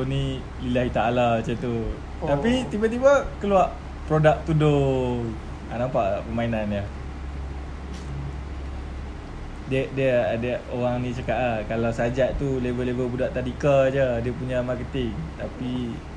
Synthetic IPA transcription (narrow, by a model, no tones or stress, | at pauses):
oni | lilaɦit̪aalaat͡ʃət̪u | t̪apit̪ibat̪̬ibakəluaʔ | pɾodak̚t̪udo | a̰nampaʔpəmainanjə | dəʔdiəadəʔoɣaŋnĩt͡ʃakaʔakalawsad͡ʒaʔt̪ulevəlevəlbudaʔt̪adikəd͡ʒədiəpuɲamarkət̪ɪŋt̪api